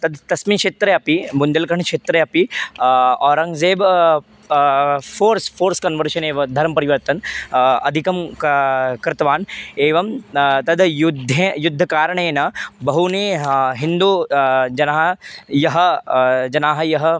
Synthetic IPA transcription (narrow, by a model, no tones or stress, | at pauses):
t̪ɐd̪ʱt̪ɐsmiːkʂeːt̪ɾɐjɐpibund̪ɐlkɐɾɳkʂeːt̪ɾɐjɐpi | ɔːɾɐ̃ŋzeːb | fʰoːɾspʰoːɾskɐnʋɐɾʃɐneːʋɐd̪ʱɐɾmpɐɾiʋɐɾt̪ɐnɐd̪ʱikɐm | kɾɪt̪ɐʋaːneːʋɐmt̪ɐd̪jud̪ʱːẽjʊd̪ʱːɐkaːɾɐɳ̃eːnɐbɐɦuniɦind̪uːd͡ʒɐnaːɦɐjɐɦɐd͡ʒɐnaːɦɐjɐɦɐ